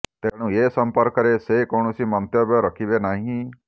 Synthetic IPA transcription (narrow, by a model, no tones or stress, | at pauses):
t̪eɽ̃ũesɔmpɔɾkɔɾesekowɳ̃ɔsimɔnt̪jɔbjɔɾɔkʰibenaɦĩ